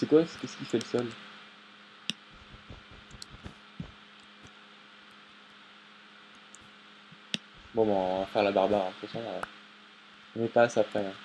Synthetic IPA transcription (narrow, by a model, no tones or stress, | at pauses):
sɛkwaɛskɛskʲifɛləsɔl | bɔ̃bɛ̃afɛʁlabaʁbaɛ̃pχɛsɔ̃ø | ɔ̃nɛpaːsaːpχɛɛ̃